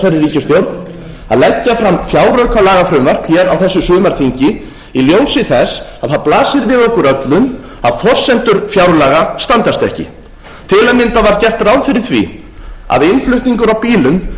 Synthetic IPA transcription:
aɾɪriːcʏst̪jowɾt̪n | a̰ðlɛcːafɾamfjawrœɥkʰalaːɣafɾʏmvar̥pʰjɛɾawθɛsːʏsʏːðmaɾ̥θʰiɲcɪ | iljoːwsɪθɛsaðθaðplaːsɪɾvɪðɔhkʏɾœt̪lʏn | aðfɔr̥sɛnt̪ʏɾfjawɾlaːɣast̪ant̪ast̪ɛ̰hcɪ̰ | t̪ʰɪlɛnmɪnt̪avaɾcɛr̥t̪ɾawðfɪɾɪɾ̥θvḭ | a̰ðɪnflʏht̪niŋkʏɾawpiːlʏn

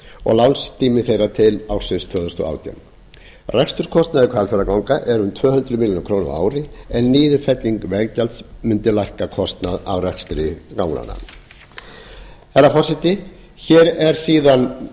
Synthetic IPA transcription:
ɔ̰ɣlawnst̪ʰiːmɪθejrat̪ʰɪlawɾ̥sɪnst̪ʰvœːðɔst̪ɔ̰a̰ːwt̪ja̰m | rɛjkst̪ʏɾ̥kʰɔst̪naðɪkʰvalfɛɾakawŋkaʔɛɾʏmt̪ʰvœːhʏnt̪ɾʏmɪljɔnʏkʰɾoːwnʊ̰a̰ːwɾɪɛnːiːðʏfɛt̪liŋkvɛɣcalt̪smʏnt̪ɪlajhkakʰɔst̪naða̰vrɛkst̪ɾɪkaːwŋla̰nːa̰ | θɛrɾːafɔrsɛht̪ɪ | çɛːɾɛɾ̥siːðan

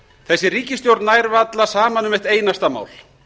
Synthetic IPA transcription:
θɛsːɪɾiːcɪst̪jowɾt̪najɾvat̪lasaːmanʏmɛht̪eːjnast̪ama̰ːwl̥

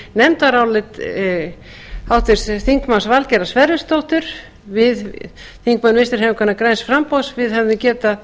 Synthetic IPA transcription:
nɛmt̪aɾawlɪt̪ | hawht̪ɪɾ̥sθiŋkmansvalcɛɾasvɛɾðʏst̪owht̪ʏɾ̥ | vɪð | θiŋkmanmɪst̪ɪɾ̥ɦɛvɪkʰvɛnːakɾɛnsfɾampowsvɪðhɛvðɪmcɛːt̪a

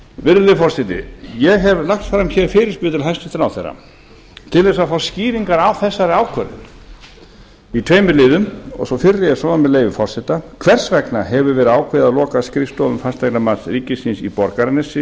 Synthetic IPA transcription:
vɪɾðʏfɔrsɛt̪ɪ̰jɛɣɦɛvlaxt̪fɾamçɛɾfɪːɾɪspʏðɪt̪ɪlɦajst̪ɪ̥t̪ɪnawθɛrːa̰ | t̪ʰɪlðɛsafawsciːɾiŋkaɾawθɛsːaɾɪaːwkʰœɾɪ̰n | it̪ʰveːjmʏlɪːðʏmɔ̰ɣsɔfɪrːɪjɛsɔːðamɛðleːjvʏfɔr̥sɛt̪akʰvɛr̥svɛknaɦɛvʏɾvɛːɾʏaːwkʰvɪːðaðlɔːkaskɾɪst̪oːðʏmfast̪ajklamaːt̪sriːcɪsinsipɔɾkaɾɪnɛsɪ

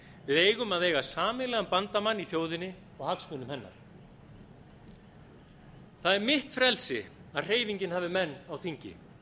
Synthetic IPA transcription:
vɪðeːjɣʏmaðeːjɣasaːmɪlɛːɣampant̪amanːiθjoːwðɪnːɪ | ɔɣhaksmʏnʏmhɛnːa̰ɾ̥ | θaðɛɾmɪht̪fɾɛlsɪaðr̥eːjviɲcɪnhaːvɪmɛnːawθiɲcɪ̰

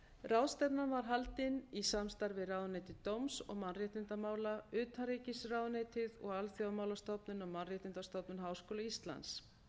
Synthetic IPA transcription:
rawðst̪ɛpnavaɾ̥ɦalt̪ɪnisamst̪aɾvɪðrawðnejt̪ɪt̪owmsɔɣmanrjɛht̪ɪnt̪amaːwlaʏːt̪ʰhaɾeːcɪsrawðneːjt̪ɪðɔɣalθjawmaːwlast̪owpnʏnawmanrjɛht̪ɪnt̪ast̪owpnʏnɦaːwskoːlaist̪la̰ns

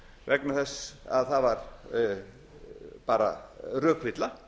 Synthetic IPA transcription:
vɛknaθɛsːa̰ðθaðvaɾ | paːɾa̰rœːkvɪt̪la

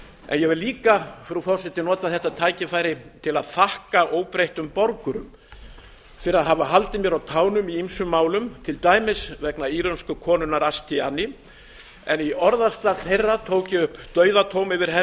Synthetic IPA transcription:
ɛ̰njɛɣvɛɾliːkafɾufɔrsɪt̪ɪnɔːt̪aðθɛht̪ːat̪ʰaːjcɪfaːjɾɪt̪ʰɪlaðθahkaʔoːwpɾejht̪ʏmpɔɾkʏɾʏ̰m | fɪɾɪaðɦavaɦalt̪ɪmjɛɾawt̪ʰaːwnʏmiimsʏmːaːwlʏmt̪ʰɪlt̪aːjmɪsvɛknaiːɾœnskʏkʰɔːnʏnaɾast̪ʰianɪ | ɛniɔɾðast̪aθejrːat̪ʰoːwcɪʏhpːt̪œːɥðat̪ʰoːwmɪvɪɾ̥ɦɛ

